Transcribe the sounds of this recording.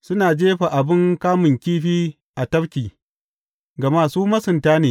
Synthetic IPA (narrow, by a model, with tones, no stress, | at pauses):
sʊ˦naː˨d͡ʒeː˦ɸa˨ʔa˨bɪ˦ŋkaː˦mʊ˨ŋkʲiː˦ɸiː˦ | ʔa˨tɐ˦ɾkʲiː˨ | ɡɐ˨maː˦suː˦mɐ˦sʊ˨ntaː˦neː˨